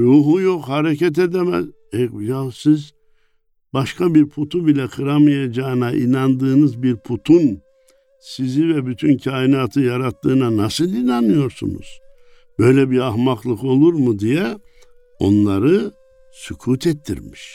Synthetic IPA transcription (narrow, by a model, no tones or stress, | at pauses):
ɾuːɦujokhaɾecɛt̪̬ed̪ɛmæ̰z | ɛjasiz | baʃkʰabiɾpʰut̪ʰubilʲɛkʰɯɾamajad͡ʒaːɯnaʔḭnand̪ɯːnɯzbiɾpʰut̪ʰun | sizivɛbyt̪ʰyncʰaːinaːt̪ʰɯjaɾat̪ʰːɯːnanasɯlˠinanmːɯjo̞ɾsṵnṵz̥ | b̥ø̞jlʲɛbiaɦmaklˠɯko̞lˠuɾmud̪ijɛ | o̞̰nlˠaɾɯ | sukʰuːt̪ʰɛt̪ʰːḭɾmiʃ